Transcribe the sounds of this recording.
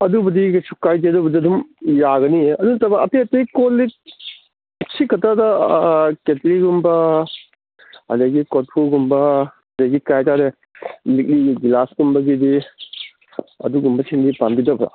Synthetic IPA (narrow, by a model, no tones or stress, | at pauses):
ɐdubɐdisukːajdiɐdubɐdiɐdumjaɡɐniɐduntɐbaɐpʰeɐtɐkolik̚ | sikːɐtadɐketɾiɡumbɐ | ɐ̰deɡikotpʰuɡumbɐ | ɐdeɡikajtaɾe | mik̚liɡilasɡumbɐɡidi | ɐ̰duɡumbɐsʰindipambidɐbɐ̰